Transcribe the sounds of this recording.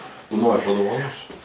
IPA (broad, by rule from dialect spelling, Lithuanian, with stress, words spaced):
ˈnoːrʲɪ pɐdoːʋɐˈnoːsʲʊ